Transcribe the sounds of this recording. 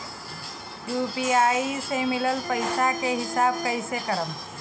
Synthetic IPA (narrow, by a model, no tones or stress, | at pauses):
jupiaːisemɪləlpəɪsakeɦɪsaːb̚kəɪsekəɾəm